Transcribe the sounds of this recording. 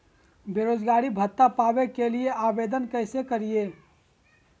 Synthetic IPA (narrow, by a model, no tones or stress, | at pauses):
beɾoːd͡ʒɡaːɾibʱət̪ːapaːbekelieʔaːbeːd̪ənkəɪsekəɾieː